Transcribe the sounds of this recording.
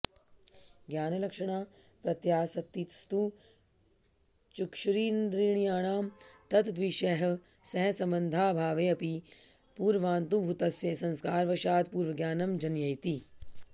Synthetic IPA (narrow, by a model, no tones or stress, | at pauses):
ɡjaːnɐlɐkʃɐɳ̃aː | pɾɐt̪jaːsɐt̪it̪st̪u | t͡ʃukʃɾiːnd̪ɾiːɳ̃ijaːɳaːmt̪ɐt̪d̪ʋiʃɐɦ | sɐɦsɐmbɐnd̪ʱaːbʱaːʋeːɐpi | puːɾʋãːnt̪ubʱut̪ɐsjesɐ̃nskaːɾʋɐʃaːt̪puːɾʋɐɡjaːnɐmd͡ʒɐnjɐjt̪i